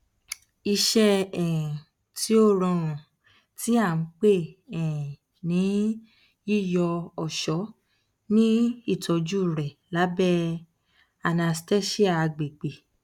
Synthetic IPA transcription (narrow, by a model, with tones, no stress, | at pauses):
i˧ʃɛ˦ɛ̃˨ | ti˨˦o˦˨ɾɔ̃˧ɾ̃ũ˨ | ti˨˦a˦˨n̩˦k͡pe˦˨ɛ̃˨ | nĩ˨˦ | i˦˨jɔ˧ɔ˨ʃɔ˨˦ | nĩ˦i˦˨tɔ˨˧d͡ʒu˦˨ɾɛ˨la˨˦bɛ˦ | a˧na˧stɛ˦ʃi˦a˦˨˧ɡ͡be˨ɡ͡be˨